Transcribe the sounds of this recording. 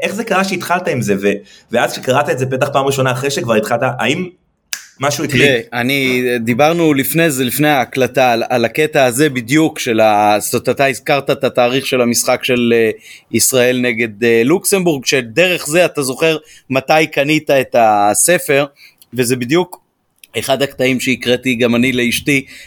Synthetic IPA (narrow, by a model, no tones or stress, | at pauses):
ʔe̞χzekaʁaʃeit̪χalt̪aimzeveveazʃekaʁat̪aetzep̬e̞t̪aχpaːmʁiʃo̞naːχʁeʃekvaʁit̪χalt̪aʔaimː | aʃuikieanid̪ibaʁnulifne̞zelifne̞aːklatalalake̞taːze̞bid̪jukʃe̞lasot̪at̪aizkaʁt̪aet̪at̪aːʁiχʃe̞lamisχakʃe̞leisʁae̞lne̞ɡe̞d̪elukse̞mbuʁɡʃe̞d̪e̞ʁe̞χze̞at̪azo̞χeʁ | matajkanit̪ae̞t̪ase̞fe̞ʁ | ve̞zebid̪juk | e̞χad̪hakt̪aimʃeikʁet̪iɡamanile̞iʃti